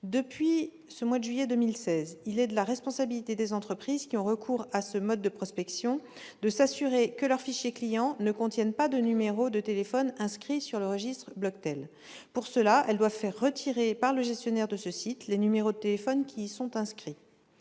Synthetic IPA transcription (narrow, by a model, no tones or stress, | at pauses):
d̪əpɥi | səmwad̪əʒɥijɛd̪ømilsɛzilɛd̪əlaʁɛspɔ̃sabilit̪ed̪ezɑ̃t̪χəpχizkʲiɔ̃ʁəkʰuʁasəmɔd̪̚ːəpχɔspɛksjɔ̃ | d̪əsasyʁekəlœʁfiʃjeklijɑ̃nəkɔ̃t̪jɛnpad̪ənymeʁod̪ət̪elefɔnɛ̃skχisyʁləʁəʒist̪χəblɔkt̪ɛl | puʁsəlaʔɛld̪wavfɛʁːət̪ʰiʁepaʁləʒɛst̪jɔnɛʁd̪əsəsit̪lenymeʁod̪ət̪elefɔnkʲʰisɔ̃t̪ɛ̃skχi